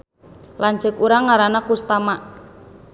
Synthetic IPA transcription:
lant͡ʃəkuɾaŋːaɾanakust̪amaʔ

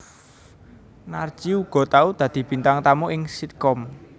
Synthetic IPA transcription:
nard̥ʒ̥i̤uɡ̥ɔ̤t̪aud̪̥ä̤d̪̥i̤b̥i̤nt̪aŋt̪amoʔɪŋsit̪̚kɔm

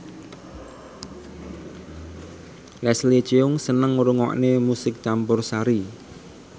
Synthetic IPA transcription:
lɛslet͡ʃeʊŋsənəŋɾuŋɔ̰ʔnemusɪk̚t͡ʃambʊrsaɾi

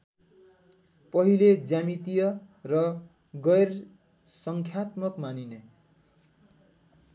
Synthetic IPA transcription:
pʌɦiled͡zamit̪ijʌ | rʌ | ɡʌjr | sʌŋkʰjat̪mʌkmanine

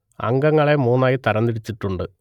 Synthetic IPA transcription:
ɐ̰ŋɡɐŋːɐɭe̞muːnːaːjit̪ɐɾɐnd̪iɽit͡ɕːiʈːuɳɖɨ

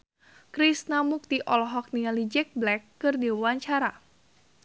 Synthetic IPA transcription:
kɾisnamuk̚t̪iʔɔlɔɦɔk̚nialid͡ʒɛk̚blɛkːɨrdiwwaɲt͡ʃaɾa

